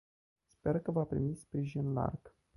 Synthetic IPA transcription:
spe̞rkəvapɾḭmispɾiʒinla̰rɡ̥

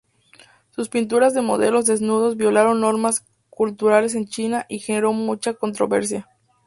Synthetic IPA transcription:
suspint̪̬uɾazðe̞mo̞̰ðe̞lo̞zðe̞znuð̞o̞zβjo̞laɾo̞nːo̞ɾmas | kult̪uɾale̞s̬e̞nt͡ʃinaʔixene̞ɾo̞mut͡ʃako̞nt̪ɾo̞̰βe̞ɾs̬ja

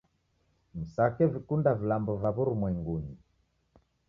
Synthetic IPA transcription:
m̩sakɛvikundavilambɔvaβuɾumwɛŋɡuɲi

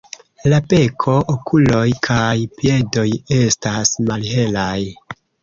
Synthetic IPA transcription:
lape̞kʰo̞ʔokʰulo̞jkʰajpje̞do̞je̞stasmalɦe̞laj

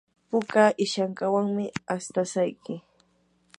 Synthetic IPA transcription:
pʊkaʔɪʃaŋkawaŋmɪast̪asajkɪ

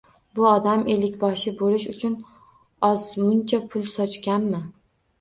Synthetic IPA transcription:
bʊɒd̪amʔe̞lɪkʲbɒʃɪbolɪʃʊt͡ʃʰʊn | ɒzmʊnt͡ʃʰapʰʊlˠsɒt͡ʃkʲanmɪ

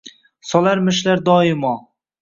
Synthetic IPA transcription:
sɒlˠaɾmɪʃlaɾd̪ɒːɪmɒ

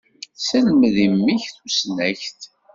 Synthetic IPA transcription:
səlmðimːiçθusnæçt̪

